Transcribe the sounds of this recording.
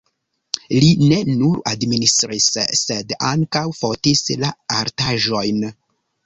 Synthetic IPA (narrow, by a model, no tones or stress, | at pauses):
line̞nuɾadministɾisːe̞daŋkawfotislaaɾtaʒo̞jn